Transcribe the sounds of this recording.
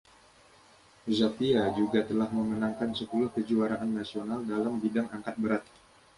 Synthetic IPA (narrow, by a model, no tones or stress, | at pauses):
zat̪iad͡ʒuɡat̪əlahməmənaŋkansəpulʊhkəd͡ʒuaɾaʔanːasionaldalambidaŋaŋkat̪̚bəɾat̪̚